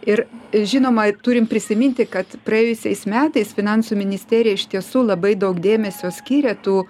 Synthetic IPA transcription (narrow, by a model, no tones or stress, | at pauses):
ɪɾʒʲɪnoːmɐt̪ʊːɾʲɪmpʲɾʲɪsʲɪmʲɪnʲt̪ʲɪkɐt̪pɾɐeːjʊsʲɛɪsmʲæːt̪ɐɪsfʲɪnɐnsuːmʲɪnʲɪsʲt̪ʲæːɾʲɪjɛɪʃt̪ʲiɛsuːlˠɐbɐɪd̪ɐʊkd̪ʲeːmʲɛsʲoːsʲkʲiːɾʲɛt̪uː